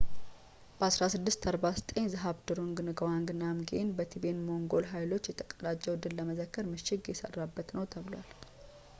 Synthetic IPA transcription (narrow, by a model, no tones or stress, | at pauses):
b̥əasɾasɨd̪ːɨst̪ʰaɾbazət̪ʼəɲːzɨɦaβd̪ɨɾuŋɡɨnɨɡəwaŋɡɨnːamɡḛnbət̪ʰibenmo̞ŋɡo̞lɦajlo̞t͡ʃːjɛt̪ʰəkʼəlat͡ʃʼːəwɨd̪ːɨlləməzəkːəɾmɨʃɪɡjɛsə̰rːabːət̪nəwt̪ʰəβɨlwa̰l